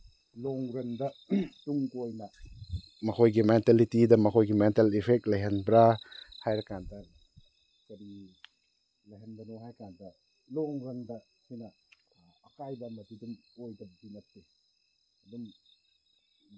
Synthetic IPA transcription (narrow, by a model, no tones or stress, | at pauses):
loŋɾɐndɐtuŋkojnɐ | mɐkʰojɡimentelitidɐmɐkʰojɡimentelipʰek̚t̚lɐjɦenbɾahajɾɐkandɐ | sɐɾi | lɐjɦenbɐnoɦajkandɐ | loŋɾɐndɐ | hijnɐː | kajbɐmɐdidumojdɐbinɐp̚te | ɐdum